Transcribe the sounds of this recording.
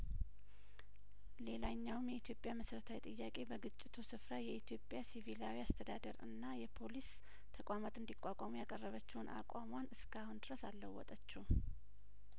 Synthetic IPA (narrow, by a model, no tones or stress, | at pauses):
le̞laɲːawɨmjɛit̪ʰjo̞pʼjaməsɾət̪ʰawit̪ʼɨjːakʼe̞bəɡɨt͡ʃʼːɪt̪ʰusɨfɾajɛit̪ʰjo̞pʼːjasivilawiast̪ʰəd̪ad̪əɾɨ̰nːajɛpʰo̞lis | t̪ʰəkʼamat̪ɨnd̪ikʼʷːakʷʼamujakʼərːəβət͡ʃːɛwnʔa̰kʼamwanɨskʰahund̪ɨɾəsalːəwːɔ̰t̪ʼət͡ʃːɛw